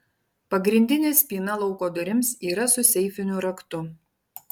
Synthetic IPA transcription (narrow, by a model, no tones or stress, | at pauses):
pɐɡɾʲɪnʲd̪ʲɪnʲeːsʲpʲiːnɐlˠɒʊkoːd̪ʊɾʲɪmsiːɾɐsʊsʲɛɪfʲɪnʲʊɾɐkt̪ʊ